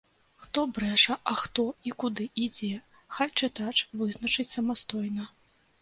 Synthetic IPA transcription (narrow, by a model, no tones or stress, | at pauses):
xt̪ɔbɾɛʂɐʔɐxt̪ɔikud̪ɨid͡zʲɛ | xalʲt͡ʂɨt̪at͡ʂvɨznɐt͡ʂɨt͡sʲsɐmast̪ɔjnɐ